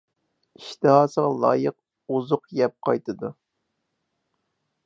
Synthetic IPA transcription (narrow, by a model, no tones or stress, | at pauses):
iʃt̪ɨɦɑːsəʁɑlˠɑ̰ːjəq̚ | uzʊqjɛp̚qʰɑjt̪ʰɨd̪u